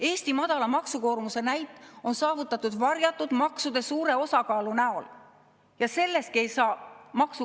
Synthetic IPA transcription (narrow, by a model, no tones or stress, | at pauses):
e̞ːst̪imɑd̪̥ɑlɑmɑksuko̞ːrmuse̞næjt̪ːˑo̞nsɑːvut̪ːˑɑt̪ːud̪vɑrjɑt̪ːˑud̪̥mɑksud̪̥e̞suːɾe̞o̞sɑkɑːlunæo̞l | jɑse̞lːe̞st̪̚kie̞jsɑːmɑksu